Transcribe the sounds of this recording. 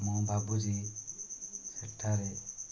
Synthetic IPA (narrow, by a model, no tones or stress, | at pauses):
mɔbʱabud͡ʒi | sɛtʰːaɾɛ